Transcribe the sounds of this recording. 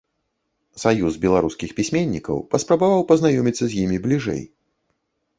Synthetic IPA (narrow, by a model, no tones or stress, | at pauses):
sajuzbʲɛlˠaɾuskʲixpʲisʲmʲenʲːikɐ̰wpɐspɾɐbavawpɐznajɔmʲit̪sːɐzʲjimʲiblʲiʐɛ̰j